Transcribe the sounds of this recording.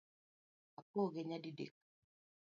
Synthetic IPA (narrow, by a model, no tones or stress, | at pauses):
akoɡeɲadidḛk̚